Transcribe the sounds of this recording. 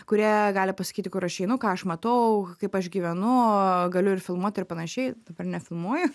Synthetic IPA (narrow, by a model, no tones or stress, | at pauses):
kʊɾʲiɛɡɑːlʲɪpɐsɐ̥kʲiːt̪ʲɪkʊɾɐʃɛɪnʊkɑːɐʃmɐt̪ɐʊkɐɪpɐʃɡʲiːʋʲɛnʊɡɐlʲʊɪrfʲɪlˠmuɔt̪ʲɪrpɐnɐʃʲɛɪd̪ɐbɐrnʲɛfʲɪlˠmuɔjʊ